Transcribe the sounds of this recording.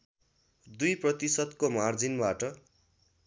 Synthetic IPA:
d̪ujprʌt̪isʌd̪komard͡zinbaʈʌ

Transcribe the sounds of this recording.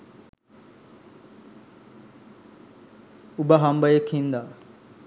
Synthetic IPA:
ubaɦɐmbɐjekʰhind̪a

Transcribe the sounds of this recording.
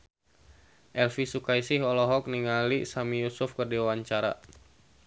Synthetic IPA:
ʔɛlfisukaisɪhɔlɔɦɔk̚niŋalisamijusʊfkərdiwaɲt͡ʃaɾa̰

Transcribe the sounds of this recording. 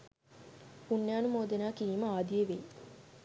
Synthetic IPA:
punːjaːnumoːd̪enaːkiʋiːməaːd̪ijeʋeji

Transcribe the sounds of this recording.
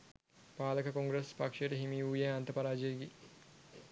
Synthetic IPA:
paːləkəkoŋɡɾəspakʂejəʈəɦimiːuːjaɐnt̪əpaɾaːd͡ʒejeɡi

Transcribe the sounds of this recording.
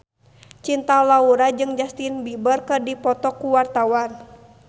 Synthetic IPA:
t͡ʃint̪alauɾad͡ʒɨŋd͡ʒast̪inbibərkɨrdipɔt̪ɔkuwart̪awan

